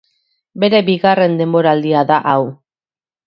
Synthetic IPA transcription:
be̞ɾe̞biɣare̞nd̪e̞mbo̞ɾaːld̪iaðaʔaw

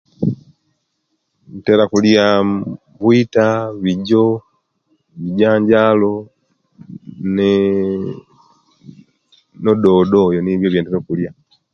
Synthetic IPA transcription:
n̩tɛlakulja | buitaβiɟɔ | βiɟaːɲɟalɔ | nɛ | nɔdɔdɔjɔniβjɔβjɛndɛɾɔkulja

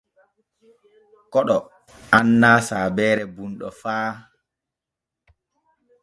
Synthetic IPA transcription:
kɔɗɔ | anːaːsaːbɛːɾɛbunɗɔ̰faː

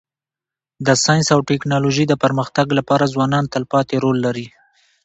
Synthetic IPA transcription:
d̪əsɑjnsawʈɛknɑloʒid̪əpəɾməxt̪aɡlapɑɾazwɑnɑnt̪alpɑt̪eɾolːaɾi

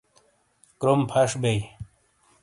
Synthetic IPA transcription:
kɾompʰɐʂbej

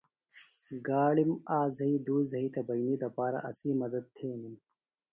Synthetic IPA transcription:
ɡaːɽimaːzɐid̪uːzɐit̪ɐbɐjnid̪ɐpaːɾa̰ʔɐslimɐd̪ɐd̪̚t̪ʰeːnim

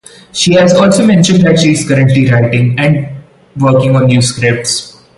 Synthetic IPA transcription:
ʃiːɦæzɔːlsoːmɛ̃nʃə̃ɳɖdæʈʃiɪz̥kəɾə̃ɳʈliɾaɪʈɪ̃ŋɛ̃ɳɖ | ʋəːkɪ̃ŋɔ̃ːnːjuːskɾɪp̚ʈs

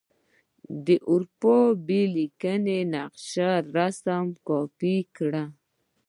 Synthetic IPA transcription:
d̪əʔʊɾpobelikənenaqʃaɾasamkɔpikɽa

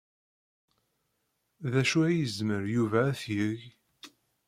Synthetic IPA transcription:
ðæʃuæjəzməɾjuvæːθjəʝ

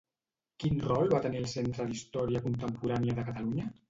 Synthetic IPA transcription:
kinrɔlˠβat̪əniəlˠsent̪ɾəðist̪ɔɾiəkunt̪əmpuɾaniəðəkət̪əluɲə

